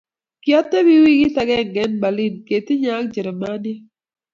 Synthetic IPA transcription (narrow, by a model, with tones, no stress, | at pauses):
kjɔ˦t̪ːɛ˦wi˦wi˦ɡɪ˦t̪a˦ɡɛ˦˨ŋɡɛ˦nba˨li˦nke˨t̪ɪ˦ɲa˦kd͡ʒi˨ɾɛ˨ma˦njɛ˦